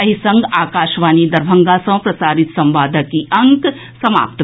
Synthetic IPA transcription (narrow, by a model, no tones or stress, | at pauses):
ɐɦisɐ̃ŋɡaːkaːʃʋaːnid̪ɐɾbʱɐŋɡasɐ̃ːpɾɐsaːɾit̪sɐ̃mʋaːd̪ʱəkiʔɐŋk | sɐma̰ːpt̪